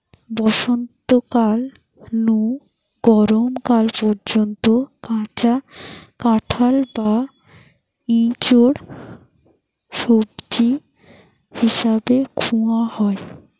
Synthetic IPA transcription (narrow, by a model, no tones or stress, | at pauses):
bɔʃont̪okal | nu | ɡ̥ɔɾomkalpɔɾd͡ʑont̪okãakãʈʰalba | it͡ɕoɽ | ʃobd͡ʑi | hiʃabekʰuahɔe